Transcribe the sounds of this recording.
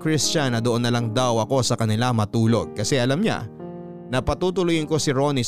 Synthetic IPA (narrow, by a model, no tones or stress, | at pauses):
kɾist͡ʃanːɐd̪oʔonːɐlaŋd̪awɐko̞sɐkɐnɪlamɐt̪uːlo̞̰ɡ̚kɐsɛʔɐlamɲa̰ | nɐpɐt̪uːt̪̬ʊlʊjɪnko̞sɪɾo̞ni